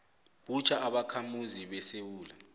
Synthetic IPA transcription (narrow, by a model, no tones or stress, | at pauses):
ɓut͡ʃʰaʔaɓakʰamuziɓɛsewuːla